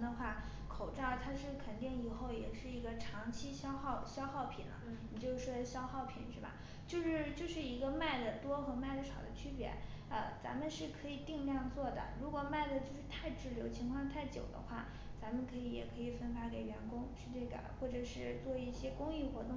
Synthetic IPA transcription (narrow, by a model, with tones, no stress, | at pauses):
d̪ə˧xwa˥˩ | kʰo˨˩ʊʈ͡ʂɑ˥˩ʊt̪ʰa˥ʂɻ̩˥˩kʰə˨˩nt̪i˥˩ni˨˩xo˥˩ʊjɛ̰˨˩ʂɻ̩˥˩i˧˥ɡə˧ʈ͡ʂʰɑ˧˥ŋt͡ɕʰi˥ɕjɑ˥ʊxɑ˥˩ʊɕjɑ˥ʊxɑ˥˩ʊpʰḭ˨˩nlə̰˦ni˨˩t͡ɕjo˥˧ʊʂɻ̩˥˩ʂwɔ˥d̪ə˧ɕjɑ˥ʊxɑ˥˩ʊpʰḭ˨˩˦nʂɻ̩˥˩bɐ̰˩ | t͡ɕjo˥˧ʊʂɻ̩˥˧t͡ɕjo˥˧ʊʂɻ̩˥˩i˧˥ɡə˧ma˥˩ɪd̪ə˩t̪wɔ˥xɤ˧˥ma˥˩ɪt̪wʂɑ˨˩ʊd̪ə˦t͡ɕʰy˥pjɛ̰˧˥ | ə˧˩t͡sa̰˧˥nmə˨nʂɻ̩˥˩kʰɤ˧˥i˨˩t̪i˥˧ŋljɑ˥˧ŋt͡swɔ˥˩d̪ə̰˩ɻu˧˥kwɔ˨˩ma˥˩ɪd̪ə˩t͡ɕjo˥˧ʊʂɻ̩˥˧t̪ʰa˥˧ɪʈ͡ʂɻ̩˥˩ljo˧˥ʊt͡ɕʰi˧˥ŋkʰwɑ˥˧ŋt̪ʰa˥˩ɪt͡ɕjo̰˨˩ʊd̪ə̰˦xwa˥˩ | t͡sa˧˥mə˨˧nkʰɤ˧˥i˧˥jɛ̰˨˩kʰɤ˧˥i˨˩fə˥nfa˧˥ke˨˩ɪɥɛ˧˥nkʊ˥ŋʂ̩ʰ˥˧ʈ͡ʂɤ˥˩ɡə̰˩xwɔ˥˩ʈ͡ʂɤ˨˩ʂɻ̩˥˧t͡swɔ˥˧i˥˩ɕjɛ˥kʊ˥ŋi˥˩xwɔ˧˥t̪ʊ˥˩